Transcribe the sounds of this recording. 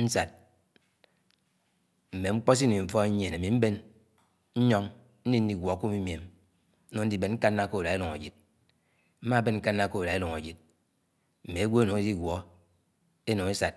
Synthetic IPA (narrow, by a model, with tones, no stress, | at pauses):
n̩˦sa˨t̚ | m̩˨me˨ŋ͡m̩˦k͡pɔ˦s̬i˦ni˨ɱ̩˦fɔ˦ɲe˨na˨mi˨m̩˦be˦n | n̩˦ɲɔ˦ŋ | n̩˦di˦n̩˦di˦ɡʷwɔ˨˦ku˦mi˦m˨e˨m̩˦ | o˨˦n̩˦di˦be˨nŋ̩˦ka˦nːa˦ko˦˨la˨e˦lu˨ŋa˨d͡ʒi˨t̚ | m̩˦ma˦be˦nŋ̩˦ka˦nːa˦ko˦˨la˨e˦lu˨ŋa̰˨d͡ʒi˨t̚ | m̩˨me˨e˦ɡʷo˦e˦no˨ŋe˦di˦ɡwɔ˨ | e˦no˨ŋe˦sa˨t̚